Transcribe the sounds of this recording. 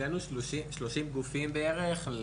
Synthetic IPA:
enuʃiʃloʃimɡufimbeeʁeχ

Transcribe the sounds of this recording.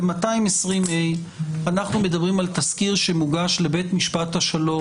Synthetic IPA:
emataimesʁimej | anaχnume̞d̪ɐbʁimalt̪ɐskiʁʃemuɡaʃle̞be̞t̪miʃpat̪haʃalo̞

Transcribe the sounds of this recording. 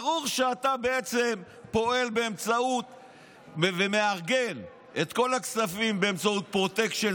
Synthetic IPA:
ʁuʁʃeat̪abe̞et͡se̞m | po̞e̞lbeːmt͡saut̪ | vemeaʁɡe̞n | ʔet̪ko̞laksafimbe̞ːmt͡saut̪̚pʁo̞t̪e̞kʃe

